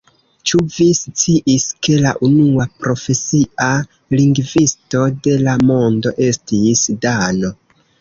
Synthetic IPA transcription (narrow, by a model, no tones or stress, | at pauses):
t͡ʃuvist͡siʔiske̞la̰ʔunuapɾo̞fe̞sia | liŋɡvisto̞de̞lamo̞ndo̞ʔe̞stisdano̞